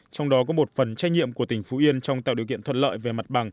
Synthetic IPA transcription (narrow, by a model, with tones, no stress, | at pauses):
t͡ɕɔ˧wŋ͡mɗɔ˨˦kɔ˨˦mo˨˩t̚fə˨˩nt͡ɕa˧jɲḭ˧˨əmku˧˩ət̪ï˨˩ŋ̟fu˨˦ʔi˧ənt͡ɕɔ˧wŋ͡mt̪a̰ː˧˨ɗi˨˩əwkḭ˧˨ənt̪ʰə˧˩t̚lə̰ː˧˨jve˨˩ma˨˩t̚ɓa˨˩ŋ